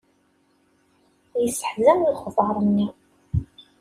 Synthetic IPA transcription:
jəsːə̥ħzæmlχəvɾˤənːi

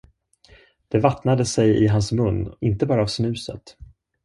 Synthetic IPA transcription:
d̪̥ɛvat̪nad̪əsɛjɪɦansmɵnːɪnt̪əbɑːɾaːvsnʉ̟ːsə̰t̪

